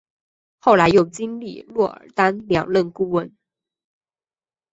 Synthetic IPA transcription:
xo˥˩ʊla˧˥ɪjo˨˩ʊt͡ɕi˥ŋlḭ˥˨˩lwɔ˥˩ə̰˞˨˩t̪a˥nljɑ̰˨˩ŋlə˥˧nku˥˩wə˥˩n

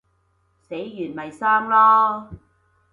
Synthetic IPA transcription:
se˨˥jːyː˨˩nmɐ˨˩jsaː˥ŋlɔː˥

